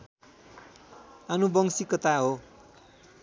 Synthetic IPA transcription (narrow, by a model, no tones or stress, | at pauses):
anubʌŋsikʌt̪aɦo